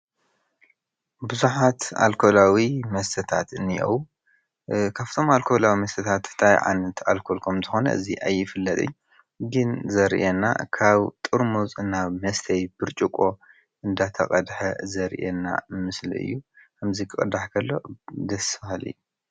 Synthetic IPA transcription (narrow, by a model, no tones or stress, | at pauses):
bɨzuħat̪a̰lkʰo̞lawimɐst̪ʰɐt̪ʰat̪ɨnːiʔo̰w | kʰaft̪ʰo̞malkʰo̞lawimɐst̪ʰɐt̪ʰat̪t̪ʰajʕa̰nɐt̪ʰa̰lkʰolkʰomt̪ʰɨxo̞nɐ̰ʔɨ̰ziʔajːɪfɨlːɐt̪ʼɨ̰ɲ | ɡɨnzɐɾʔena̰kʰaβt̪ʼɨɾmuzɨnaβmɐst̪ʰɐjb̥ɨɾt͡ʃʼukʼo̞ | ʔɨnd̪at̪ʰɐ̰qʼɐd̪ħɐzɐɾʔenːa̰mɨslḭɨ̰jːukʰɐmzikʰɨkʼɨd̪aħkʰɐlːo̞̰d̪ɐsfahalɨ̰jːu